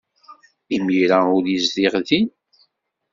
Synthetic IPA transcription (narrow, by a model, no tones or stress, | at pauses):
imiɾaʊɾizðiʁðin